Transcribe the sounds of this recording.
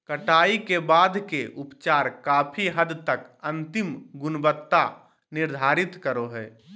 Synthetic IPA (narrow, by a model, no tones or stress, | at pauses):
kəʈaːikebaːd̪ʱkeʔʊpt͡ʃaːɾkaːpʰiɦəd̪t̪əkə̃nt̪ɪmɡʊnbət̪ːa | nɪɾd̪ʱaːɾɪt̪kəɾoɦɛː